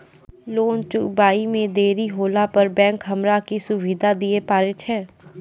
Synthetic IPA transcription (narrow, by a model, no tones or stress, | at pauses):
loːnt͡ʃʊbaːimẽd̪eːɾiɦoːlapəɾbɛ̃ːŋkɦəmɾakisʊʋiːd̪ʱad̪iepaːɾet͡ʃʰɛː